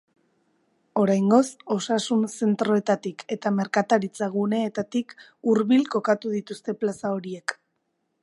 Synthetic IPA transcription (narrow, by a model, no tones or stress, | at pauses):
o̞ɾajŋɡo̞so̞sasunse̞nt̪ɾo̞e̞t̪at̪ike̞t̪ame̞ɾkat̪aɾit͡saɣune̞ːt̪at̪ik | uɾβilko̞kat̪uðit̪ust̪e̞plasao̞ɾie̞k